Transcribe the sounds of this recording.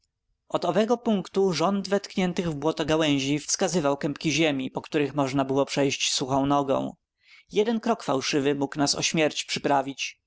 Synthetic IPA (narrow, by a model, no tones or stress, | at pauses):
ɔd̪ɔvɛɡɔpuŋkt̪uʐɔnd̪vɛt̪kɲɛnt̪ɘɣvbwɔt̪ɔɡawɛ̃j̃ʑifskazɘvawkɛmpkʲiʑemʲipɔkt̪uɾɘxmɔʐnabɘwɔpʂɛjɕt͡ɕsuxɔ̃w̃nɔɡɔ̰̃w̃ | jɛd̪ɛnkɾɔkfawʂɘvɘmuknasɔ̰ɕmʲjɛɾt͡ɕpʂɘpɾavʲit͡ɕ